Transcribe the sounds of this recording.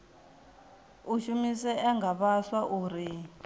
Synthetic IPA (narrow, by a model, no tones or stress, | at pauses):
uʃumisɛɛŋɡʱaβaɬwaʔuːɾi